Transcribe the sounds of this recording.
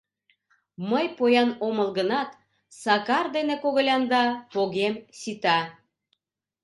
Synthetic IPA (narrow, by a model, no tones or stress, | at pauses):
məjpojɑnoməlɣənɑt̪ | sɑkɑrd̪enekoɣə̆lʲɑnd̪ɑpoɣemsit̪ɑ